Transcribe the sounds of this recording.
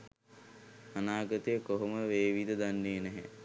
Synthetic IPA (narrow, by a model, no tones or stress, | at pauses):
anaːɡət̪əjəkoɦoməʋeːʋid̪əd̪anːejənɛɦɛ